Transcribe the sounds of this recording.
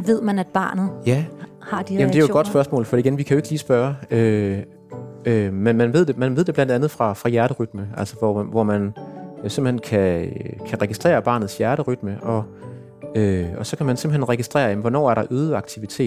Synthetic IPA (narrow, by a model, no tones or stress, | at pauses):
ʋe̝ð̞̰ˠmænæd̥̚b̥ɑ̰̈ːnð̩ˠjæ | hɑ̈d̥ijæmnd̥eæjo̝ɡ̥ɒ̽d̥sb̥ɶɐsmɔ̰̽ːlfɒ̽diɡenʋikʰæjoeɡ̥liːsb̥ɶɐø | ømenmænʋeð̰ˠd̥e̝mænʋe̝ðˠd̥e̝blænd̥ænð̞̩ˠfʁɑ̈fʁɑ̈jæɐɾəʁyd̥məæl̰səʋɒʋɒmænsemb̥̩henkʰækʰæʁɛɡ̥isd̥ʁḛːɐb̥ɑ̈ːnð̩ˠsjæɐɾəʁyd̥məʔɒ̽ | øɒ̽sɒ̽kʰæmænsemb̥̩henʁɛɡ̥isd̥ʁɛ̰ːɐjæmnʋɒnɒ̰ːæɐɾ̥ɑ̈ʔøːð̞ˠəɑ̈ɡ̥̚t͡sʰiʋit͡sʰe̝̰ːd̥